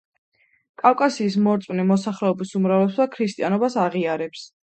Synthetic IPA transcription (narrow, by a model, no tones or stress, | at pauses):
kʼafkʼasiːsmɔɾt̪sʼwnimɔsaχlɛɔbisumɾavlɛsakʰɾist̪ʼianɔbasaʁiaɾɛps